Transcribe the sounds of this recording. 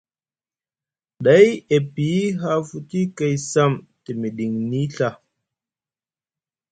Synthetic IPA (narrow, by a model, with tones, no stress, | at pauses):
ɗa˨˦je˨pi˨˦ɦa˦fu˦ti˦ke˦˨jsa˦˨m | ti˨mi˨ɗi˨ŋni˦ɬa˦